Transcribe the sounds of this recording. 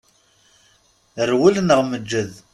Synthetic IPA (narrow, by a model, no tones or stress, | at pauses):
ərwulnəʁməd͡ʒːəð